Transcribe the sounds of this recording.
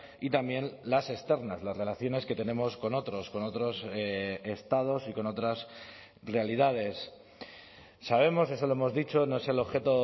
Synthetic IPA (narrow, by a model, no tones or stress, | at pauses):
it̪ambje̞nlase̞st̪e̞ɾnazlazre̞laθjo̞ne̞ske̞t̪e̞ne̞mo̞sko̞no̞t̪ɾo̞sko̞no̞t̪ɾo̞sest̪að̞o̞siko̞no̞t̪ɾas | re̞alið̞að̞e̞s | aβ̞e̞mo̞se̞s̬olo̞emo̞zðit͡ʃo̞no̞eselo̞βxe̞t̪o̞